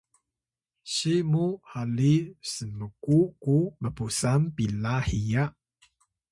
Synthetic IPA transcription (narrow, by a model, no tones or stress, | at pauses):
ɕimuhalisəməkukubəpusampilahijaʔ